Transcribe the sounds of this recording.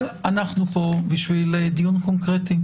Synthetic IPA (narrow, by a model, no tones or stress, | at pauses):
anaχnupo̞biʃviled̪junkonkʁet̪i